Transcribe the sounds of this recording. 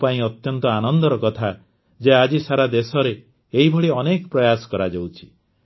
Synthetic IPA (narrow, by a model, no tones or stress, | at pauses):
paĩɔt̪jɔnt̪ɔanɔnd̪ɔɾɔkɔt̪ʰa | d͡ʒead͡ʒisaɾad̪esɔɾeː | ɦibʱɔɽiɔnekɔpɾɔjasɔ̥kɔɾad͡ʒawt͡ʃʰi̥